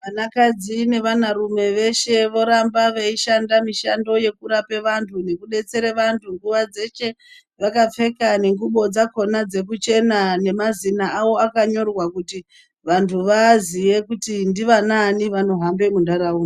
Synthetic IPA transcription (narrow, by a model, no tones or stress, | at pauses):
ʋanakad͡zine̞ʋanaɾume̞ʋe̞ʃe̞ʋo̞ɾambaʋeiʃandamiʃando̞je̞kuɾape̞ʋantʰune̞kuɗe̞t͡se̞ɾeʋantʰuŋɡuʋad͡ze̞t͡ʃe̞ | ʋakap͡fe̞kane̞ŋɡuɓo̞d͡zako̞nad͡ze̞kut͡ʃe̞nane̞mazinaːwo̞akaɲo̞rwakuti | ʋantʰuʋazije̞kutindiʋananiʋano̞ɦambe̞mundaɾauːna